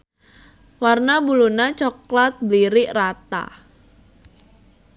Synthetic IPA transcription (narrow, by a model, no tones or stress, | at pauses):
warnabulunat͡ʃɔklat̪̚bliɾɪʔrat̪a̰